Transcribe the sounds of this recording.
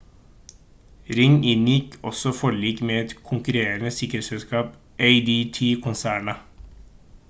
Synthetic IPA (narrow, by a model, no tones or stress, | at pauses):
ɾɪŋɪnjɪkʰɔ̰sɔfɔɭɭiːkmeːɛt̪kʰʊŋkʉɾeːɾənəsɪkəɾeːt̪sɛlskɑːp | ʔeɪd̪iːt̪ʰiːkʰʊnsæːɳɑ